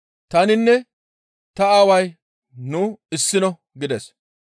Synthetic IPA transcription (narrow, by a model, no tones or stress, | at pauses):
t̪ɐnɪnːɛ | t̪ɐaːwɐj | nuːɪsːɪnɔ | ɡɪd̪ɛs